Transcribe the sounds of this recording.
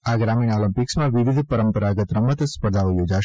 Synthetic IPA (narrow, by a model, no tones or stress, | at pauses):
aɡɾaminoləmpiksmãʋiʋid̪ʱpəɾəmpəɾaɡət̪ɾəmət̪spəɾd̪ʱaojod͡ʒaʃ